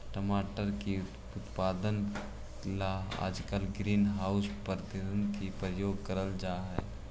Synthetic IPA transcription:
ʈəmaːʈəɾki | ʊt̪paːd̪ən | laa̰ːd͡ʒkəlɡɾiːnɦaːʊspəɾt̪ɪɾənkipɾəjoːɡkəɾəld͡ʒaːɦɛ̰ː

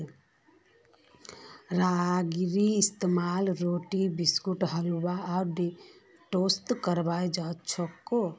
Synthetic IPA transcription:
ɾaɡiɾiːst̪emalɾoʈibiskuʈɦəluwaaɖe | ʈost̪kəɾbajd͡ʒat͡ʃʰɔkːo

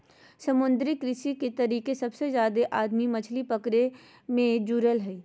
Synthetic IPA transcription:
sɐmʊ̃nd̪ɾikɾɪʃiket̪ɐɾiːkesɐbsezjaːd̪eʔaːd̪mimɐt͡ʃʰlipəkɾe | mẽd͡ʒuːɾəlɦɛ

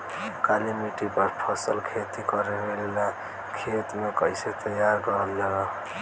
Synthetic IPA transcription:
kalimiʈipʌɾpʰʌsəlkʰet̪ikʌɾemelena | kʰet̪mekʌjset̪ʌjaɾɡʌɾəld͡ʒaɡa

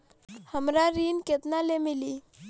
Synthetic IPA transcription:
həmɾaɾiːnket̪nalemiliː

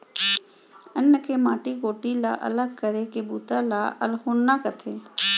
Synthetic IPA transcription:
ənːəkemaːʈiɡoːʈila̰ʔə̰ləɡ̚kəɾekebuːt̪alaʔə̰lhuːnːakət̪ʰeː

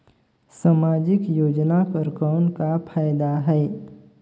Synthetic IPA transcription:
saːmaːd͡ʒɪkjoːd͡ʒnakəɾkaːnkapʰaːjd̪aɦɛː

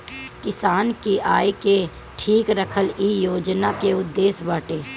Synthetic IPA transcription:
kɪsaːnkiʔaːeke | ʈʰiːkɾəkʰəlijoːd͡ʒnakeʊd̪ːeːsbaːʈeː

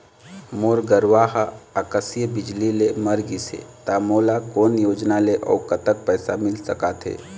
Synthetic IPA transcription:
moːɾɡəɾʋaːɦakəsijəbɪd͡ʒlileməɾɡisḛt̪amoːlakoːnjoːd͡ʒnaleʔɔ̰ːkət̪ək̚pɛːsa̰mɪlsəkaːt̪ɦḛː

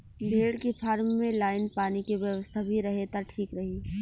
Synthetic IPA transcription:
d̪ʱeːɽkepʰaːɾmːẽlaːɪnpaːnikeʋjəʋəst̪ʰabʱiɾɐɦet̪ɐʈʰiːkɾəɦiː

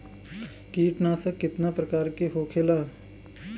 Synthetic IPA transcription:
kiːʈnaːsakːɪt̪napɾəkaːɾkiɦoːkʰelaː

